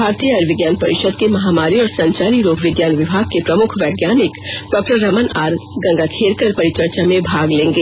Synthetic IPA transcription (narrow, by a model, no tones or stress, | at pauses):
bʱaːɾt̪ijəɐɾʋɪɡjaːnpɐɾɪʃəd̪kemɐɦaːmaːɾiɔːɾsɐ̃ɲt͡ʃaːɾiɾoːɡʱʋɪɡjaːnʋɪbʱaːɡ̚kepɾɐmʊkʰʋɛːɡjaːnɪkɖɔːk̚ʈəɾːəmənaːɾɡɐ̃ŋɡakʰeːɾkəɾpɐɾɪt͡ʃəɾt͡ʃamẽbʱaːɡlẽːŋɡeː